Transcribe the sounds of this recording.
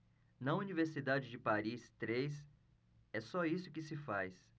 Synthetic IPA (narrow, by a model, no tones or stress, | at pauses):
nɐuniveɾsid̪ad͡ʒɪd͡ʒɪpaɾist̪ɾejs | ɛsɔisʊkɪsɪfajs